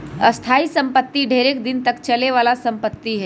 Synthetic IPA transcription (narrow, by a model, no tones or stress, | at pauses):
ɐst̪ʰaːisɐ̃mpət̪ːiɖʱeːɾeːk̚d̪ɪnt̪ɐkt͡ʃɐleʋaːlasɐ̃mpət̪ːiɦɛː